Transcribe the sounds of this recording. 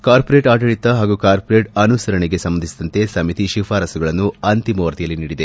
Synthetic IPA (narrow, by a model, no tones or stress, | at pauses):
kaːɾpoɾeːʈaːʈɐɭit̪ːɐɦaːɡukaːɾpoɾeːʈɐnusɐɾɐɳeɡe̞sɐmːɐnd̪isid̪ɐnt̪e̞sɐmit̪iʃifʰaːɾɐsuɡɐɭɐnːuɐnt̪imɐʋɐɾt̪ijɐlːiniːɽid̪e